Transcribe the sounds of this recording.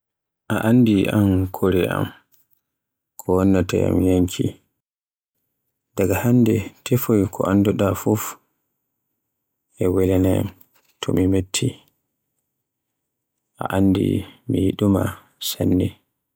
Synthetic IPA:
ʔaʔandiʔamkʰoɾɛʔa̰m | kʰɔwɔnːatɛ̰ja̰mjaŋkʰi | daɡahanːdɛtʰefojkʰɔ̰ʔandɔɗafuf | ɛwɛlɛnɛm | tʰɔmimetʰːi | ʔa̰ʔandḭmijiɗuma̰ | sanːɛ

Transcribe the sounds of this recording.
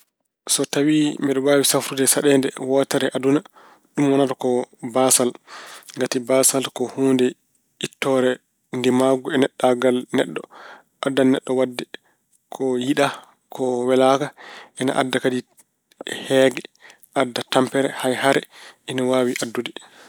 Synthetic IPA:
sɔtawimɛɗɔwaːwisafɾudɛsaɗɛndɛ̰wɔtɛɾɛʔaduna | ɗumwɔnatɔkɔbasalŋɡatibasalkɔhuːndɛ | itːɔɾɛ | ndimaɡuɛnɛɗːaɡalnɛ̰ɗːɔ | ʔadːanɛɗːɔwadːɛ | kʰɔjiɗa | kʰɔwɛlakaʔɛna̰ʔa̰dːakadi | hɛːɡɛ | ʔadːatampɛɾɛhajhaɾɛʔɛnawaːwiʔadːudɛ

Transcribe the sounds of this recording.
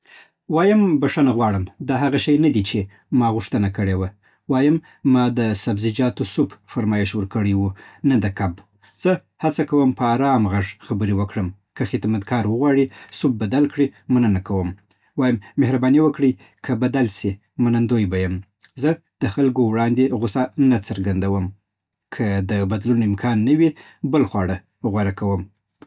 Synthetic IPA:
wɑjəmbaʂanaɣwɑɽəmd̪ɑɦaɣaʃajnad̪it͡ʃe | mɑɣʊʂt̪ənakəɽewa | wɑjəmː | ɑd̪əsabzɪd͡ʒɑt̪osʊbfaɾmɑjɪʃwəɾkəɽəjwunad̪əkab | z̥ə | hat͡sakawəmpəaɾɑmɣaʐxabəɾiwəkɽəm | kəxɪt̪mat̪̚ɡɑɾwəɣwɑɽisub̚bad̪alkɽimanənakawəm | wɑjəmːehɾabɑniwəkɽəj | kʰəbad̪alsi | manand̪ojbajəm | zə | d̪̥əxalɡowɽɑnd̪eɣʊsanat͡səɾɡand̪awəm | kʰəd̪əbad̪lunoɪmkʰɑnːəwi | bəlxwɑɽa | ɣwaɽakawəm

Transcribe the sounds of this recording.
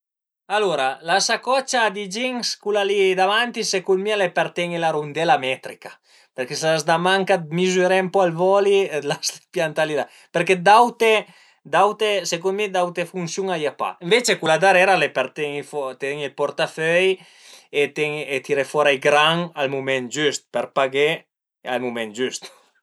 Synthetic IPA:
aluɾalasakɔt͡ʃad̪id͡ʒiŋskulalid̪avant̪isekulmialepeɾt̪ɛŋelaɾund̪ɛlamɛt̪ɾikḁ | peɾkesazd̪amaŋkamizyɾɛmpɔalvɔlilaspjant̪alid̪a | peɾked̪awt̪e | d̪awt̪esekumid̪awt̪efunsjuŋajapa̰eɱvet͡ʃekulad̪aɾɛɾalepeɾt̪ɛŋifɔt̪ɛŋilpɔɾt̪afœj | et̪ɛŋet̪iɾefɔɾajɡɾaŋalmumɛnd͡ʒyst̪̚pɛɾpaɡe | almumɛnd͡ʒyst̪

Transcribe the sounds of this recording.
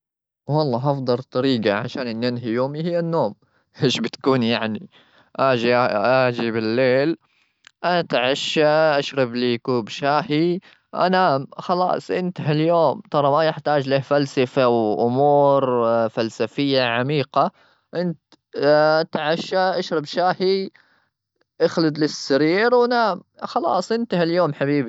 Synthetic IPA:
wɑlˤːɑːɦɑfd̪ˤɑlt̪ˤːɑɾiːɡaʕa̰ʃaːnʔɪnːjanɦijoːmihɪjːanːoːm | ʔeːʃbɪt̪kuːnjaʕni | ʔaːd͡ʒiʔaʔaːd͡ʒibɪlːeːl | ʔanat̪ʕaʃaʔaʃɾɑbliːkuːbʃaːɦi | ʔa̰naxɑlɑ̰ːsˤʔɪnt̪ɦaljoːmt̪ɑɾˤɑmajɪħt̪aːd͡ʒleːhfalsafawʔʊmuːɾfalsafɪjːaʕamiːqa | ʔɪnt̪ | t̪ʕaʃaʔaʃɾɑbʃaːhi | ʔaxlɪd̪lɪsːaɾiːɾwnaːmxɑlɑ̰ːsˤʔɪnt̪haljoːmħabiːbi

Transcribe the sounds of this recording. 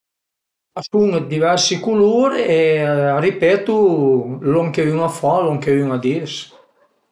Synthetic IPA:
asuŋed̪ivɛɾsikuluɾɛaripɛt̪ulɔŋkeyŋafalɔŋkeyŋad̪iɾs

